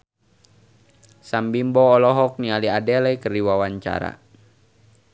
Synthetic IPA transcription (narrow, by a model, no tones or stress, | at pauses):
sambimbɔːlɔɦɔk̚nialiadɛlɛkəriwawaɲt͡ʃa̰ɾa̰